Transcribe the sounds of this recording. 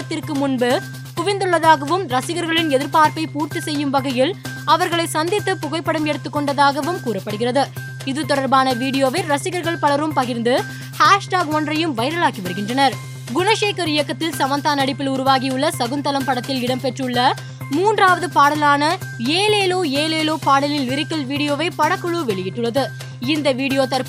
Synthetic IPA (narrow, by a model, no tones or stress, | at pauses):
ɐt̪ːɪrkɯmʊnbɯ | pʊʋɪnd̪ɯɭːɐðaːɣɐʋɯmɾɐsɪɣɐɾɣɐɭɪnɛðɪɾpaːɾpɐɪpuːɾt̪isɛjːɯmʋɐɣɐjɪl | ɐʋɐɾɣɐɭɐɪsɐnd̪ɪt̪ːɯpːʊɣɐɪpːɐɽɐmɛɽɯt̪ːɯkːɔɳɖɐðaːɣɐʋɯmkuːɾɐpːɐɽɯɣɪrɐðɯ | ɪðɯt̪ɔɽɐɾbaːnɐʋiːɽɪjoːʋɐɪɾɐsɪɣɐɾɣɐɭpɐɭɐɾɯmpɐɣɪɾnd̪ɯ | haːʂʈaːɡɔndrɐjɯmʋɐɪɾɐɭaːkːiʋɐɾɯɣɪndrɐnɐɾ | ɡʊnɐʃeːkɐɾɪjɐkːɐt̪ːɪlsɐmɐnt̪aːnɐɽɪpːɪlʊɾʊʋaːɣiʊɭːɐsɐɣɯnt̪ɐlɐmpɐɽɐt̪ːɪlɪɽɐmpɛʈrɯɭːɐ | muːndraːʋɐðɯpaːɽɐlaːnɐ | eːleːloːeːleːloːpaːɽɪlɪnʋɪɾɪkːɐlʋiːɽɪjoːʋɐɪpɐɽɐkːɯɭuʋɛɭɪjɪʈːɯɭːɐðɯ | ɪnd̪ɐʋiːɽɪjoːt̪ɐɾp